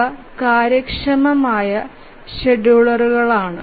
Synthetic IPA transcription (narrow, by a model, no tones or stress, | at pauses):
ɐ | kaːɾjɐkʂɐmɐmaːjɐ | ɕeɖuɭɐruɣɐɭaːɳɨ̰